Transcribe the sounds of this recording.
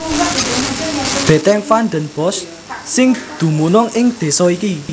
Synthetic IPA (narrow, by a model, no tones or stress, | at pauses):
b̥e̤t̪ɛŋfanɖ̪ənb̥ɔsː | ɪŋd̪̥ṳmunʊŋɪŋd̪̥e̤sɔiki